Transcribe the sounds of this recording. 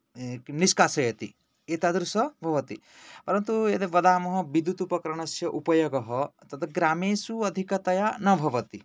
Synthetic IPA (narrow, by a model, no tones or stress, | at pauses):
ekniskasɐjɐt̪ḭ | et̪ad̪ɾusɐbʱɐʋɐt̪ḭ | pɐɾɐnt̪uet̪eʋɐd̪aːmɐɦɐbid̪ːut̪upɐkɾɐɳ̃ɐsjɐʔupɐjɔɡɔɦɔt̪ɐt̪ʰɐɡɾameːsuɐd̪ʱikɐt̪ɐjanɐbʱɐʋɐt̪i